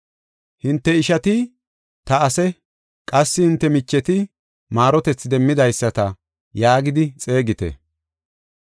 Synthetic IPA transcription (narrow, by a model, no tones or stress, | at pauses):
hɪnt̪ːɛɪʃɐt̪ɪ | t̪ɐːsɛ | kʼɐsːɪhɪnt̪ːɛmɪt͡ʃːɛt̪ɪ | maːɾɔt̪ɛt͡sːd̪ɛmːɪd̪ɐjsːɐt̪ɐ | jaːɡɪd̪ɪt͡sʼe̞ːɡɪt̪ɛ̰